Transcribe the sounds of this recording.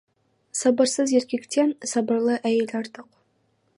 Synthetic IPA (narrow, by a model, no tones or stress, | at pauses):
sɑbəɾsəze̞ɾkʲe̞kt̪e̞nsɑbəɾlˠəʔæjelʲɑɾt̪əq